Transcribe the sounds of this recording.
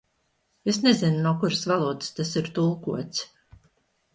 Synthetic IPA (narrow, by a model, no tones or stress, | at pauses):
esnezinnuɔkuɾɨsvalˠuːd̪ɨ̥st̪asiɾt̪ulˠkuɔt̪s